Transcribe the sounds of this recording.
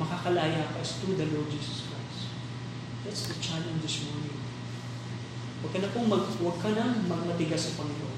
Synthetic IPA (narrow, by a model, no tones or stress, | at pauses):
mɐkakɐlaːjapɐst̪ɾud̪ɐlɔɹd̚d͡ʒiːsɐskɹajs | d̪at̪sd̪ɐt͡ʃalɛ̃nd͡ʒɪsmɔɹnɪ̃ŋ | wɐɡ̚kɐnɐpoŋmɐɡwɐɡ̚kɐnɐŋmɐɡ̚mɐt̪ɪɡasɐpɐŋɪlon